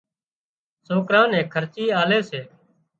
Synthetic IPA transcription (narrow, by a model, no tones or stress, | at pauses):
soːkɾãːnɛ̃ːkʰəɾt͡ʃiːaːleːseː